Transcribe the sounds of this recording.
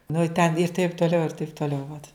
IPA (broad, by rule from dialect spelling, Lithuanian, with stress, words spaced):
nʊ ɪ tʲɛn ɪr tɐɪp tuɔˈlʲɛʊ ɪr tɐɪp tuɔˈlʲɛʊ ʋɐt